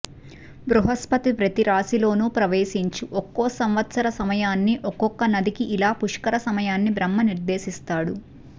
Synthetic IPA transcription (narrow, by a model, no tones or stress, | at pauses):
bɾuɦɐspɐt̪ipɾɐt̪iɾaːsilo̞ːnupɾɐʋe̞ːsiɲt͡ʃuʔɔkːɔːsɐmʋɐt̪sɐɾɐsɐmɐjaːnːiʔɔkɔkːɐnɐd̪ikiʔilaːpuʂkɐɾɐsɐmɐjaːnːibɾɐmːɐniɾd̪e̞ːsist̪aːɽu